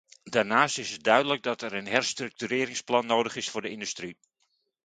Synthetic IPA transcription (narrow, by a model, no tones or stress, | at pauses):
daːɹnaːstɪsət̚dœɥdələɡ̚dɑtɛɾənɦɛrstrɵk̚tyɾɪːɾɪŋsplɑnːoːwdəχɪsfʊːɹdəɪndʉstri